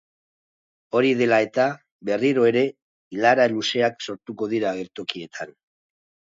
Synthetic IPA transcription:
o̞ɾiðe̞lae̞t̪a | βe̞riɾoe̞ɾe̞ | ilaɾaluse̞akso̞ɾt̪uko̞ð̞iɾaːɣe̞ɾt̪o̞kie̞t̪ʰan

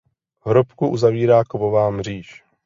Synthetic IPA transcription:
ɦɾopkuʔuzaviːɾaːkovovaːmr̝iːʃ

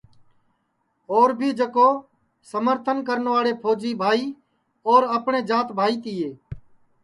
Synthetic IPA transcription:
oːɾbʱiːd͡ʒəkoː | səməɾt̪ʰənkəɾənʋaːɽeːpʰoːd͡ʒiːbʱaːiː | oːɾəpɳeːd͡ʒaːt̪bʱaːiːt̪ɪːeː

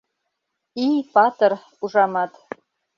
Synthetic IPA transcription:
ijpʰatʰʼɨr | uʐamatʼ

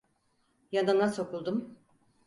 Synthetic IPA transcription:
jananaso̞kulˠd̪um

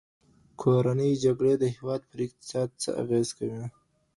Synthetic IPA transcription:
kʰoɾanəjd͡ʒaɡɽed̪əhɪwɑːd̪̚pəɾɪq̚t̪ɪ̥sɑːd̪̚t͡sə̰ʔa̰ɣezkawi

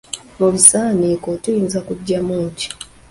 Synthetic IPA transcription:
muβisaːnikotujiːnzakuɟːamuːci̥

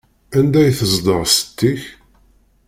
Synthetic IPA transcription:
ænd̪æjθəzˤd̪ˤəʁsə̥t̪ːiç

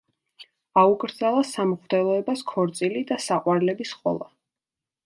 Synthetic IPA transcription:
auɡɾd̪zalˠasamχd̪ɛlˠɔɛbaskʰɔɾt̪sʼilid̪asaqʼwaɾlɛbisχʼɔ̰lˠa

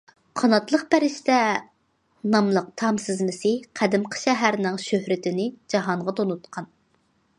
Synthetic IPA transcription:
qʰɑnɑt̪lˠəq̚pæɾɪʃt̪ɛ | nɑmlˠəq̚t̪ʰɑmsɪzmɪsɨqʰæd̪ɪmqʰə̥ʃɛɦæɾnɪŋʃøhɾɪt̪ɪnɪd͡ʒɑɦɑɴʁɑt̪ʰonut̪qʰɑn

